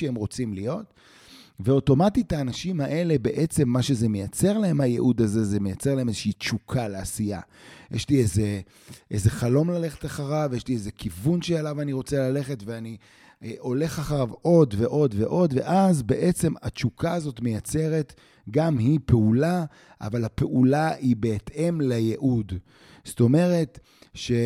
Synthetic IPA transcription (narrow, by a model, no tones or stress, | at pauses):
eemʁo̞t͡simlijo̞t | veo̞to̞matitaːnaʃimaʔe̞le̞be̞ʔe̞t͡se̞mːaʃe̞ze̞mejat͡se̞ʁlaɦe̞majeʔud̪aze̞zemejat͡selaemezʃiit͡ʃukʰaleasija̰ | jʔḛʃlieze | ʔezeχalo̞mlale̞χe̥taχaʁavjeʃliezekivunʃealavaniʁo̞t͡selale̞χe̞tveani | ʔo̞le̞χaχaʁavo̞dve̞ʔo̞dveʔo̞d̪ve̞̰ʔazbe̞ʔet͡se̞mat͡ʃukaːzo̞tme̞jat͡se̞ʁe̞t | ɡamhipeula | ʔa̰valhape̞ʔulaibe̞ːtʰʔe̞mlejeʔud | sto̞me̞ʁe̞t | ʃe̞